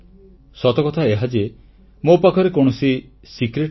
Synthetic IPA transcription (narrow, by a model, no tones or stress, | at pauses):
sɔt̪ɔkɔt̪ʰaeɦad͡ʒe | mopakʰɔɾekoɽ̃ɔsi | sikɾeʈ